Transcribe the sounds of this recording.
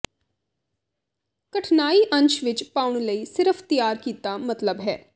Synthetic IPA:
kəʈʰnaːiːʔə̃ɲt͡ʃʋɪt͡ʃpaːʊɳləiːsɪɾəfʰt̪ijaːɾkiːt̪amət̪ləbɦɛː

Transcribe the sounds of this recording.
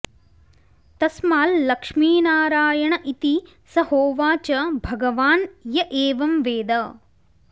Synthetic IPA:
t̪ɐsmaːlːɐkʂmiːnaːɾaːjɐɳɐʔit̪i | sɐhoːʋaːt͡ʃɐbʱɐɡɐʋaːnjɐʔeːʋɐmʋeːd̪ɐ

